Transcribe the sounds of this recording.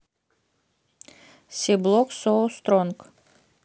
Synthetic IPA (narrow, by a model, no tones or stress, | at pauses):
sʲeblˠoksost̪ɾɔŋk